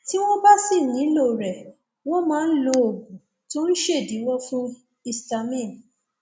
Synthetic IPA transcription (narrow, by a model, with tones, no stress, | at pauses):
ti˦w̃ɔ̃˦ba˦si˦˨nĩ˨˦lo˦˨ɾɛ˨ | wɔ̃˦mãː˦n̩˦lo˧o˨ɡũ˨ | to˦n̩˦ʃe˦˨di˨˦wɔ˦fũ˦ | i˧sta˧mĩ˦˨n˨